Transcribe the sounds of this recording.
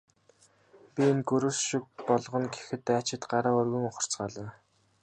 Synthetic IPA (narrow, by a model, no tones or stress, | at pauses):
pʲienɡɵɾuːsʃik̚pɔɮʁɞ̆nɡe̥xɘ̆t̪ːeat͡ɕɪ̆t̪ɢaɾaːʊrɣɵ̆ŋʊχə̆r̥t͡sɢaːɮə̆n